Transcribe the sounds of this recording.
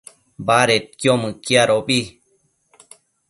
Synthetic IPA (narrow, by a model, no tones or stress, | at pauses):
baɾet̪̚kjomɨ̃kjaɾobi